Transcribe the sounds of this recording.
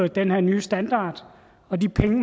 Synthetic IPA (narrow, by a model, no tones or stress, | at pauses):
ð̩ˠd̥enheɐ̰nyːsd̥ænd̥ɑ̰̈ːd̥ | ɒ̽dipʰeŋəm